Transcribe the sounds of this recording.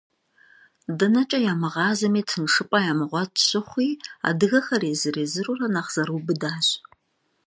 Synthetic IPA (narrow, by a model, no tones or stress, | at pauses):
dɐnɐt͡ʃʼɐjaːmɨʁɑːzɐmiːtʰɨnʂɨpʼɐjaːmɨʁʷɔtɕɪχʷiːa̰dɨɣɐxɐreːzɨreːzɨrurɐnaχz̥ɐɾubɨdaːɕʼ